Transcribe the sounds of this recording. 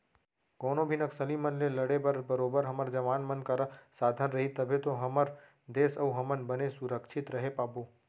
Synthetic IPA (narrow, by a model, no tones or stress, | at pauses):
koːnobʱinəksəlimənleləɽebəɾbəɾoːbəɾɦəməɾd͡ʒəʋaːnmənkəɾsaːd̪ʱənɾəɦit̪əbʱet̪oɦəməɾ | d̪eːsəuɦɐmənbənesʊɾəkʃʰɪt̪ɾəɦepaːbo